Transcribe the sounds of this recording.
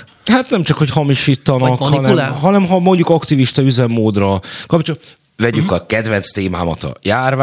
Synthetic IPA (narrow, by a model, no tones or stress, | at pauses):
hat̪nɛmt͡ʃɒkho̞chɒmiʃiːt̪ːɒnɒkɒnɛlɦɒnɛmɦɒmo̞ɲɟukɒkt̪iviʃt̪ɒyzɛmːoːd̪rɒkɒpt͡ʃo | vɛɟykɒkɛd̪ʋɛnt̪st̪eːma̰ːmɒ̰t̪ɒ̰jaːrva